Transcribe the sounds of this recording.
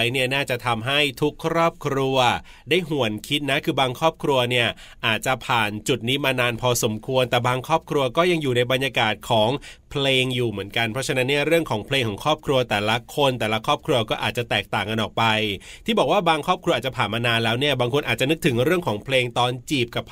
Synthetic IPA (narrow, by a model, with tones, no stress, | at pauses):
jni˥˩ɐnaː˥˩t͡ɕa˨˩t̪ʰa˧mɦa˥˩jt̪ʰu˦˥kʰːɾɔː˥˩p̚kʰɾu˧ɐ | daː˥˩jɦu˨˩ənkʰi˦˥t̪̚na˦˥kʰɯː˧baː˧ŋkʰɾɔː˥˩p̚kʰɾu˧ɐni˥˩ɐ | ʔaː˨˩t̪̚t͡ɕa˨˩pʰaː˨˩nt͡ɕu˨˩t̪̚niː˦˥maː˧naː˧npʰɔː˧so˩˦mkʰu˧ənt̪ɛː˨˩baː˧ŋkʰɾɔː˥˩p̚kʰɾu˧ɐkɔː˥˩ja˧ŋjuː˨˩na˧jba˧nja˧kaː˨˩t̪̚kʰɔː˩˦ŋpʰleː˧ŋjuː˨˩mɯ˩˦ənka˧npʰɾɔ˦˥t͡ɕʰa˧˥na˦˥nːi˥˩ɐɾɯ˥˩əŋkʰɔː˩˦ŋpʰleː˧ŋkʰɔː˩˦kʰɾɔː˥˩p̚kʰɾu˧ɐt̪ɛː˨˩la˦˥kʰo˧nt̪ɛː˨˩la˦˥kʰɾɔː˥˩p̚kʰɾu˧ɐkɔː˥˩ʔaː˨˩t̚t͡ɕa˨˩t̪ɛː˨˩k̚t̪aː˨˩ŋka˧nʔɔː˨˩k̚pa˧jt̪ʰiː˥˩bɔː˨˩k̚waː˥˩baː˧ŋkʰɾɔː˥˩p̚kʰɾu˧ʔaː˨˩t͡ɕa˨˩pʰaː˨˩nmaː˧naː˧nlɛː˦˥wni˥˩ɐbaː˧ŋkʰo˧nʔaː˨˩t̚t͡ɕa˨˩nɯ˦˥k̚t̪ʰɯ˩˦ŋɾɯ˥˩əŋkʰɔː˩˦ŋpʰleː˧ŋt̪ɔː˧nt͡ɕiː˨˩p̚ka˨˩p̚ʰ